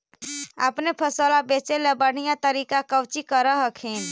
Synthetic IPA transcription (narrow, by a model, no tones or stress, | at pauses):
ə̰pnepʰəsəlabet͡ʃelebəɽ̤ijãt̪əɾikakəwt͡ʃikəɾəɦəkʰin